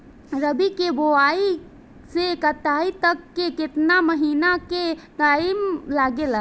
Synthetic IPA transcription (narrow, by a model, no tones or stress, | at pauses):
ɾəbikeboaːi | sekət̪aːit̪əkːekɪt̪naməɦiːnaket̪aːimlaːɡela